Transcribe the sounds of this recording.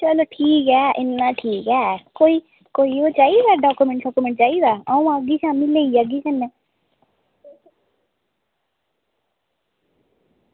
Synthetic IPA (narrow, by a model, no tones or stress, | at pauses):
t͡ʃəloːʈʰiːkɛːʔɪnːãːʈʰiːkɛːkoːiː | koːiːoːt͡ʃaːiːɡɛːɖaːkumɛ̃ɳʈsaːkumɛ̃ɳʈt͡ʃaːiːɡaːaːũːaɡiːt͡ʃãːmɪleːiːaɡiːt͡ʃənːɛ̃ː